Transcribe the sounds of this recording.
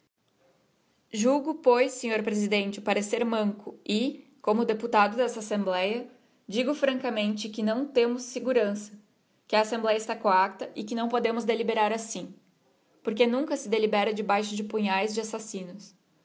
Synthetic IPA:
ʒuɡʊpojsːẽɲoɾpɾezid̪ẽnt͡ʃɪpaɾeseɾmɐ̃ŋkʊɪkõmʊd̪eput̪ad̪ʊd̪ɛst̪ɐasẽmblɛjɐ | d͡ʒiɡʊfɾɐ̃ŋkɐmẽnt͡ʃɪkɪnɐ̃w̃t̪ẽmʊsːeɡuɾɐ̃sɐ | kɪɐːsẽmblɛjɐɪst̪akoak̚t̪ɐʔɪkɪnɐ̃w̃pod̪ẽmʊzd̪elibeɾaɾasĩ | poɾkenũŋkɐsɪd̪elibɛɾɐd͡ʒɪbajʃʊd͡ʒɪpuɲajzd͡ʒɪasasĩnʊs

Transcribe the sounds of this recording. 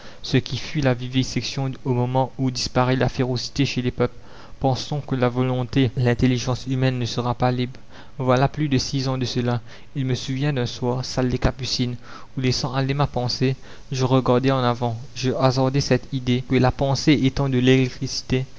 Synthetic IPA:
səkʲʰifylavivisɛksjɔ̃omɔmɑ̃ud̪ispaʁylafeʁosi̥t̪eʃelɛpœpl | pɑ̃sɔ̃kəlavɔlɔ̃t̪elɛ̃t̪eliʒɑ̃symɛnːəsəʁapalibʁ | vwalaplyd̪əsizɑ̃d̪əsəla | ilməsuvjɛ̃d̪ɛ̃swaːʁsald̪ekapysin | ulesɑ̃alemapɑ̃se | ʒəʁəɡaʁd̪ɛɑ̃navɑ̃ʒəazɔʁd̪ɛsɛt̪id̪ekəlapɑ̃seet̪ɑ̃d̪əlɛɛkt̪χisi̥t̪e

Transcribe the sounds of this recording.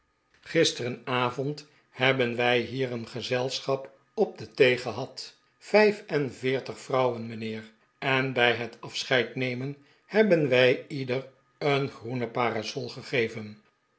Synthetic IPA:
χɪstərənaːvɔnt | hɛbənʋɛjɦiːɾənχəzɛlˠsχɑp | ɔb̚dətejχəɦɑt | fɛjfɛnvɪːɹtəχfrɑwənmənɪːr | ɛnbɛjɦətʰɑfsχɛjtnejmən | hɛbənʋɛjidər | ənχrunəpaːrasɔlˠχəχejvən

